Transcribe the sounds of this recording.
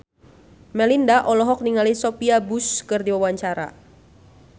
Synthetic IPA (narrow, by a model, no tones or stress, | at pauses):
mɛlindaʔɔlɔɦɔk̚niŋalisɔpiabuskɨrdiwawaɲt͡ʃaɾa̰